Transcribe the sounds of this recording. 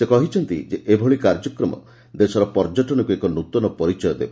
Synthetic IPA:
sekɔɦit͡ʃʰɔnt̪ḭd͡ʒeʔebʱɔɭikaɾd͡ʒɔkɾɔmɔ̰ | d̪esɔɾɔpɔɾd͡ʒɔʈɔnɔkuekɔnut̪ɔnɔpɔɾit͡ʃɔjɔd̪ebɔ

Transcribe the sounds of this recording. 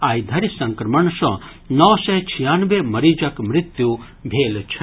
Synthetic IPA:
aːjd̪ʱɐɾisɐ̃ŋkɾɐmɐɳsɔ̃ | nɔʋsɛt͡ʃʰijaːnʋemɐɾid͡ʒɐkmɾɪt̪ju | bʱeːlt͡ʃʰɐ

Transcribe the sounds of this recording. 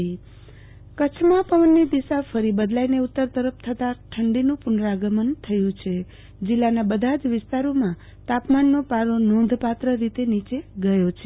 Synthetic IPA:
kət͡ʃʰmãpəʋənːid̪iʃafəɾibəd̪laineut̪ːəɾt̪əɾəfʰt̪ʰət̪aʈʰəɳɖinũpʊnɾaɡəmənt̪ʰəjũt͡ʃʰe | d͡ʒɪlːanabəd̪ʱad͡ʒʋɪst̪aɾomã | t̪apmanːopaɾonond̪ʱpat̪ɾəɾit̪enit͡ʃeɡəjot͡ʃʰe

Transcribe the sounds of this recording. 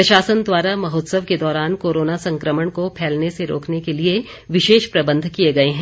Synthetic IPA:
pɾɐʃaːsənd̪waːɾamɐɦoːt̪səʋked̪ɔːɾaːnkoːɾoːnasɐ̃ŋkɾəməɽ̃kopʰɛːlneseɾo̰ːkʰnekelie | ʋɪʃeːʃpɾɐbə̃nd̪ʱkijeɡɐeɦɛ̃ː

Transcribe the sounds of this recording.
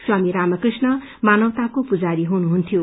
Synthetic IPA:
swamiɾamʌkrisnʌ | manʌwt̪akopud͡zaɾiɦunuɦunt̪ʰijo

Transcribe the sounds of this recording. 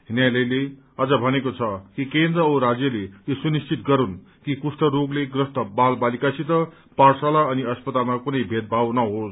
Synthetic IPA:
ɦinjalejle | ʌd͡zʌbʱʌnekot͡sʰʌkikend̪rʌoɾad͡zjʌleesunist͡sit̪̚ɡʌɾun | kikusʈʌɾoɡleɡrʌst̪ʌbalbalikasʰit̪ʌ | parsalaʌniʌspʌt̪almakunʌjbʱet̪̚bʱawnʌɦos

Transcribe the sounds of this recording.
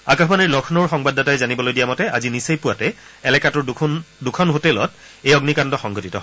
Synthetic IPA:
akaxbaniɹlɔkʰnɔɹxɔŋbadʱatajzanibɔlojdijamɔtɛʔazinisejpuwatɛː | lɛkatɔɹndukʰɔnɦotɛlɔ̰t̚ | ejɔɡnikandɔxɔŋɡɔtitɔ̰

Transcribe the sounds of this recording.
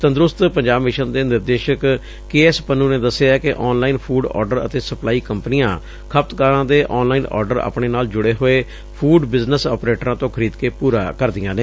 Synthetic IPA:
t̪ə̃nd̪ɾʊst̪pəɲd͡ʒaːbmɪʃənd̪eːnɪɾd̪eːʃək | keːɛːspənũːneːd̪əsːeaːkɪʔɔːnlaːiːnpʰuːɖɔ̰ːɾɖəɾə̰t̪eːsəplaːiːkəmpənijãː | kʰəp̚t̪kaːɾãːd̪eːʔɔːnlaːiːnɔ̰ːɾɖəɾa̰ːpɳeːnaːld͡ʒʊɽeːɦoːeː | pʰuːɖbɪznəsɔːpɾeːʈɾãːt̪õːkʰəɾiːd̪keːpuːɾaːkəɾd̪ɪjãːneː

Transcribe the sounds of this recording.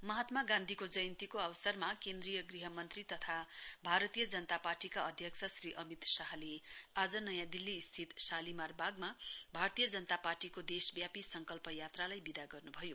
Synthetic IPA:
mʌɦat̪maɡãnd̪ʱikod͡zʌjʌnt̪ikoʌβʌsʌrmakend̪rijʌɡriɦʌmʌnt̪rit̪ʌt̪ʰabʱaɾʌt̪ijʌd͡zʌnət̪aparʈikaʌd̪ʱjʌksʰʌsriʔʌmit̪saɦliad͡zʌnʌjãd̪ilːiːst̪ʰit̪salimarbʱaɡ̚mabʱart̪ijʌd͡zʌnət̪aparʈikod̪esbjapisʌŋkʌlpʌjat̪ralajbid̪aɡʌrnubʱʌjo

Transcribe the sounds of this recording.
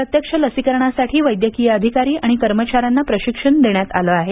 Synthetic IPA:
ɾət̪jəkʂələsikəɾɳ̃asaʈʰiːʋəjd̪jəkijəəd̪ʱikaɾiːʔaɽ̃ikəɾmət͡ɕaɾanːapɾəɕikʂəɳd̪eɳjat̪a̰ləaɦe

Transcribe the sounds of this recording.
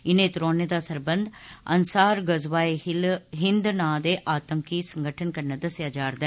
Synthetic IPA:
ɪnẽːt̪ʊɾoːned̪aːsəɾbənd̪ənsaːɾɡəzʋaːeɦɪnd̪nãːd̪eːʔaːt̪əŋkiːsəŋɡəʈʰənkəɾnəd̪əsɪjaːd͡ʒaːɾd̪ɛ

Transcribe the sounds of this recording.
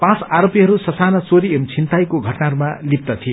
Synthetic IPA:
pãt͡saɾopiɦʌɾusʌsanʌt͡soɾiemt͡sʰint̪ajkoɡʱʌʈnaɦʌɾumalip̚t̪ʌt̪ʰie

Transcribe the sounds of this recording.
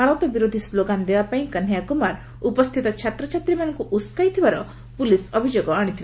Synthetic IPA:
aɾɔt̪ɔbiɾod̪ʱisloɡand̪ebapaĩkanjakumaɾ | upɔst̪ʰit̪ɔt͡ʃʰat̪ɾɔt͡ʃʰat̪ɾimañɔ̃ŋkuʔuskajt̪ʰibaɾɔ | pulisɔbʱid͡ʒoɡɔaɽ̃it̪ʰil

